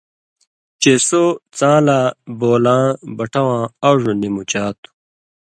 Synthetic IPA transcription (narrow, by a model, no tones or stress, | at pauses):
t͡ɕesot͡sãːlaːboːlãːbɐʈʰɐwãːɐʐunimut͡ɕaːt̪u̥